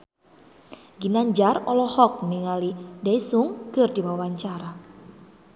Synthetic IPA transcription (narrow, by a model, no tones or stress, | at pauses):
ɡinaɲd͡ʒarɔlɔhɔk̚niŋalidaisuŋkɨrdiwawaɲt͡ʃaɾa